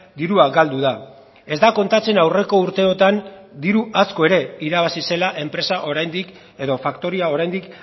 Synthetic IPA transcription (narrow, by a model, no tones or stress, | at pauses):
d̪iɾuaɡald̪uða | e̞zd̪ako̞nt̪at͡se̞nawre̞ko̞uɾt̪e̞o̞t̪and̪iɾuʔasko̞e̞ɾe̞iɾaβasise̞laʔe̞mpɾe̞saʔo̞ɾajnd̪ik | e̞ðo̞fakt̪o̞ɾiao̞ɾajnd̪ik